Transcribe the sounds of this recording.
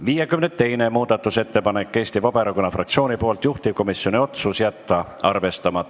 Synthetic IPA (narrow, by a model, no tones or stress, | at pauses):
viːjekymnet̪ːe̞jne̞muːd̪̥ɑt̪ːˑuse̞t̪ːe̞pɑnekːe̞st̪ivɑb̥eɾɑkonːɑfrɑk̪̚sio̞ːnipo̞ːlt̪juht̪ip̚ko̞misjo̞nʲio̞t̪susjæt̪ːɑɑrve̞st̪ɑmɑt̪ː